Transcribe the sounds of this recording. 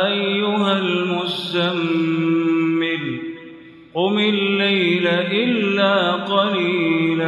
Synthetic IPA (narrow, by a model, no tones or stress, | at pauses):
ʔajːʊɦalmʊst̪amː | ɪl | qʊmɪlːajlaʔɪlːaːqɑliːla